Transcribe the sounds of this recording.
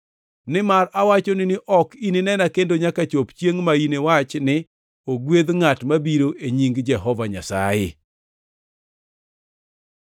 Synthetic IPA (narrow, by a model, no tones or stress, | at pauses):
nɪmarawat͡ʃonɪnɪʔɔkinenɛnakendoɲakat͡ʃopt͡ʃjeŋmainewat͡ʃnɪ | oɡwed̪ŋatmabiɾoʔeɲiŋɡd͡ʒɛɦɔvaɲa̰sa̰jɪ̰